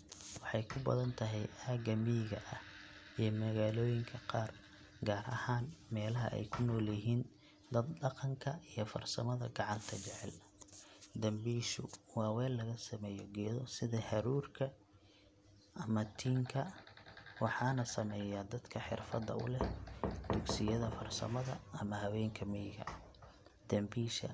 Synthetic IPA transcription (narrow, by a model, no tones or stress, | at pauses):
wɑħɑjkʰʊbɐ̰ðɐnt̪ʰɐɦɛjaːɡɐmiɣɐ̰ʔɐhimɐɣaːlɔːjɪŋkʰɐqɑːr | ɡaːɾɐ̰haːnmɛːlɐɦɐ̰ʔɛ̰jkʰʊnːɔːliɦiːn | d̪ɐd̪ɖɑqɑŋkʰɐijɞfɐ̰rsɐ̰mɐðɐ̰ɡɑʕɑnt̪ʰɐt͡ʃɛʕɛl | d̪ɐmbiːʃʊ̰wɑːwɛːlːɐɣɐsɐmɛːjɔɡɛːðɔsɪðɐhɐɾuːrkʰɐ | ʔɐmɐt̪ʰiːŋkʰɐ | wɑħɑːnɐsɐmɛːjad̪ɐd̪kʰɐħɪ̰rfɐd̪ːɐ̰ʊ̰lɛd̪̥ʊɡsɪjɐðɐfɐrsɐ̰mɐðɐɐmɐhɐwɛːŋkʰɐmɛjɣɐ̰ | d̪̥ɐmbiːʃɐ̰